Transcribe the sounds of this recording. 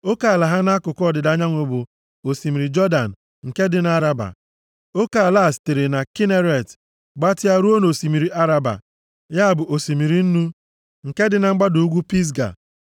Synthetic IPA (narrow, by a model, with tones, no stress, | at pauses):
o˦ka˨a˨la˨ɦa˦na˦kʊ˨kɔ˦˨dɪ˨da˦ɲa˦ŋʷo˨bʊ˨ | o˨si˨mi˨ɾi˨d͡ʒɔ˦da˨n̩˨ | ŋ̩˨ke˦dɪ˨na˦ɾa˦ba̰˨ | o˦ka˨la˦˨ste˨ɾe˨na˨ki˦ne˦ɾe˨t | ɡ͡ba˦tɪ˦a˦ɾu˦o˦no˨si˨mi˨ɾi˨ʔa˦ɾa˦ba̰˨ | ja˦a˨bʊ˨ʔo˨si˨mi˨ɾi˨n̩˦nu˦ | ŋ̩˨ke˦dɪ˨na˨ŋ͡m̩˦ɡ͡ba˦du˨u˦ɡʷu˦pi˦s̬ɡa̰˨